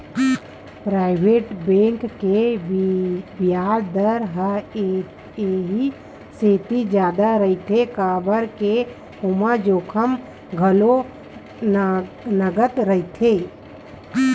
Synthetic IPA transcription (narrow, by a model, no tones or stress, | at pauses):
pɾaːɪbʱeːʈbẽːŋkːe | bjaːɾd̪əɾɦə | eɦi | seːt̪id͡ʒjaːd̪aɾəit̪ʰekaːbəɾke | homad͡ʒoːkʰəm | ɡʱəlo | nəɡət̪ɾəɦit̪ʰe